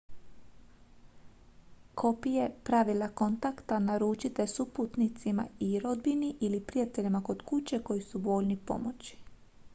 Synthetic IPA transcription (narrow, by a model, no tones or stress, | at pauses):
kʰo̞pije̞pɾaʋilako̞nt̪akt̪anaɾuːt͡ʃit̪esuput̪nit̪sima̰iɾo̞d̪̚biniʔilipɾijat̪e̞ʎimako̞d̪kut͡ɕe̞ko̞jisuʋo̞ʎnipo̞̰mot͡ɕi̥